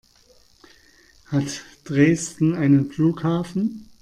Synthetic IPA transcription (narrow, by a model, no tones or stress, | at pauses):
hatd̥ʁeːstn̩aɪnənfluːkhaːfn̩